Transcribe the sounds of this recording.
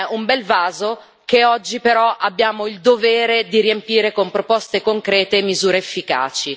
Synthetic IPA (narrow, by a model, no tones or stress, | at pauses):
umbɛlvaːzo | keɔd͡ʒːipeɾɔʔabːjaːmoild̪ovɛːɾed̪iɾiempiːɾekompɾopɔst̪ekoŋkɾɛːt̪emizuːɾeːfːika̰ːt͡ʃi